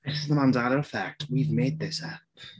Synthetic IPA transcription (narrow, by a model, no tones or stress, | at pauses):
ðɪsɪzðəmãnzaɾə˞əfæk̚twivmeɪd̪̚ðɪsæp